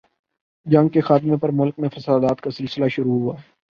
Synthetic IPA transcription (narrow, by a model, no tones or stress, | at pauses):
d͡ʒɐ̃ŋɡ̚kexaːt̪ɪmẽpɐɾmʊlk̚mẽfɐsaːd̪aːt̪̚kasɪlsɪlaʃʊɾuɦuaː